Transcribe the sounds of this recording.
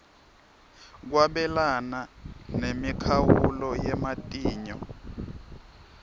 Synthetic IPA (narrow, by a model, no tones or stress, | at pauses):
k̬waɓɛlananemikʰawuulɔjɛmatʼiːɲɔ